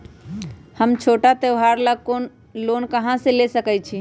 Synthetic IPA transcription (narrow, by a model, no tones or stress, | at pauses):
həmt͡ʃʰoʈat̪əʊɦaɾləkon | lonkəɦãsẽlesəkɛt͡ʃʰi